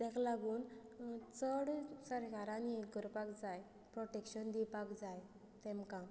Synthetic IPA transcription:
t̪ɛ̃klaɡuːnt͡səɽsəɾɡaɾanieɡəɾpakd͡zaj | pɾɔʈekɕənd̪ipakd͡zaj | t̪ɛ̃mkã

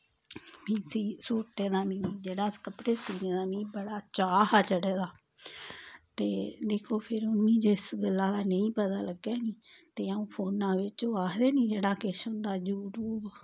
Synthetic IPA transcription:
mĩːsiːsuːʈẽːd̪aːmĩːiːd͡ʒeːɽaːkəpɽeːsiːnẽːd̪aːmĩːbəɽaːt͡ʃaːhaːt͡ʃəɽeːd̪aː | t̪eːd̪eːkʰoːpʰɪɾʊnĩːd͡ʒɪsɡəlːaːlaːnəĩːpət̪aːləɡeːniː | t̪eːaũːpʰoːnãːʋɪt͡ʃoːaːd̪eːnĩːd͡ʒeːɽaːkɪʃʊ̃nd̪aːd͡ʒuːɾuːb

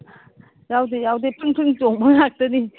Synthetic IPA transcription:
jawd̪ejawd̪epʰɯŋpʰɯŋt͡ɕoŋməŋak̚t̪ɯni

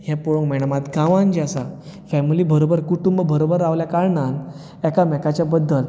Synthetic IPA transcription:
ɦepoɭõŋɡmɛɽəmat̪ɡãʋãnd͡ʑasafɛmilibəɾobəɾkuʈumbbəɾobəɾaʋljakaɾɳan | ɛkamɛkat͡ɕjabəd̪ːəl

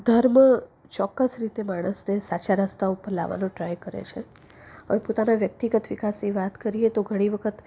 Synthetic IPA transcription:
d̪ʱəɾmə | t͡ʃɔkːəsɾit̪emaɽ̃əsnesat͡ʃaɾəst̪aupəɾla̰ʋa̰nũʈɾajkəɾḛt͡ʃʰe | ə̰ʋepot̪anaʋjək̚t̪iɡət̪ʋikasniʋat̪kəɾiet̪oɡʱəɽ̃iʋəkʰət̪

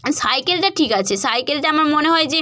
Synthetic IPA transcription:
sajkelʈaʈʰikat͡ɕʰesajkelʈaamaɾmoneɦɔed͡ʑe

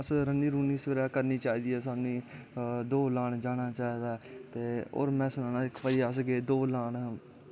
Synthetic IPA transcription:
əsɾənːiːɾuːniːsʋəɾɛːkəɾniːt͡ʃaːiːd̪iːɛːsaːnĩː | d̪oːlãːɳd͡ʒaːnaːt͡ʃaːiːd̪aːt̪eːo̰ːɾmɛ̃ːsʊnaːnaːɪkpəd͡ʒiːəs̬ɡeːd̪oːlaːn

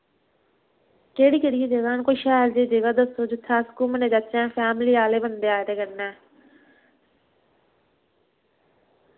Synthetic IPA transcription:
keːɽiːkeːɽijẽːd͡ʒeɡaːnkoiʃaːɾd͡ʒeːd͡ʒeːɡaːd̪əsːoːd͡ʒɪt̪ʰːaːskuːmənẽːd͡ʒat͡ʃɛ̃ːpʰɛːmɪliːaːleːbənd̪eːaːjd̪eːkəɾnɛː

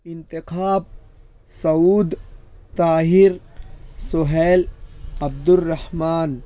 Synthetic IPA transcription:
ɪnt̪ikʰaːb̚ | sɐuːd̪t̪aːɦiɾsoɦeːlɐb̚d̪ʊrːɐhmaːn

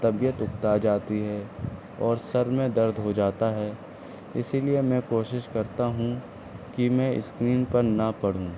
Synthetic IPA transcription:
t̪ɐbijət̪ʊk̚t̪aːd͡ʒaːt̪iɦɛ | ɔːɾsɐɾmẽd̪ɐɾd̪ʱɦod͡ʒaːt̪aɦɛː | ɪsiliemɛ̃koːʃɪʃkɐɾt̪aɦũ | kimɛ̃ːɪ̰skɾiːnpɐɾnɐpɐɽ̤ũː

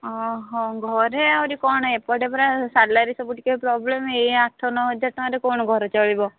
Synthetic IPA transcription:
ɔɦɔ̃ɡʱɔɾeawɾikɔɳ̃ɔepɔʈepɔɾasalaɾisɔbuʈikepɾɔblemejaʈʰːɔnɔɦɔd͡ʒaʈaɾekɔɳ̃ɔɡʱɔɾɔt͡ʃɔɭibɔ

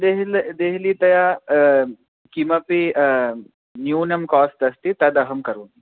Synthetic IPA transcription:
d̪eɦld̪eɦilit̪ɐja | kimɐpi | njuːnɐmkaːst̪ɐst̪it̪ɐd̪ɐɦɐmkɐɾuːni

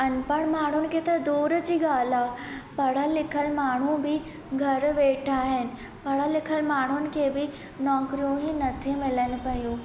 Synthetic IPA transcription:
ɐnpɐɽ̃maːɳ̤ʊnɪ̆kʰeːt̪ɐd̪oːɾd͡ʑiːɡaːlaːpɐɽ̤əlɪkʰəlmaːɳ̤ubɪ | ɡʱɐɾʋeːʈʰaːɦɪnɪ̆ | pɐɽ̤əlɪkʰəlmaːɳ̤ʊnɪ̆kʰeːbɪ | nɔːkɾijũɦinɐt̪ʰimɪləñɪ̆pɐjuː

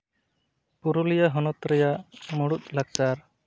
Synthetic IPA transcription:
puɾulijaɦɔnɔt̪ɾɛjaʔmɔɽut̪̚ˀlak̚t͡ʃaɾ

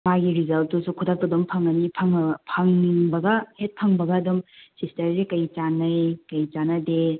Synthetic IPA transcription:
maɡiɾizɐltːusukʰudak̚tɐdompʰɐŋɐnipʰɐŋpʰɐŋŋbɐɡɐhet̚pʰɐŋbɐɡɐːdumsistɐɾzekɐjt͡ʃanɐjkɐjt͡ʃanɐde

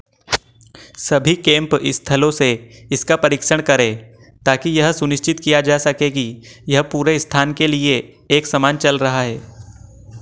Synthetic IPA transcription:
sɐbʱikẽːmpɪst̪ʰɐlõseɪskapɐɾiːkʃəɽ̃kɐɾẽː | t̪aːkijɐɦsʊnɪʃt͡ʃɪt̪kijad͡ʒaːsɐkeːɡijɐɦpuːɾeɪst̪ʰaːnkelieː | ksɐmaːnt͡ʃɐlɾɐɦaɦɛː

